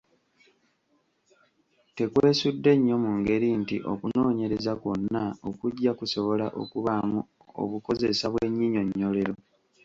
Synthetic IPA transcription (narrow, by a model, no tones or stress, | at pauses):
te̞kweːsudːe̞ɲːo̞muŋɡe̞ɾintiʔo̞̰kuno̞ːɲe̞ɾe̞zakonːao̞kuɟːakuso̞βo̞laʔo̞̰kuβamu | o̰βuko̞ze̞saβwe̞ɲːiɲo̞ɲːo̞le̞ɾo̞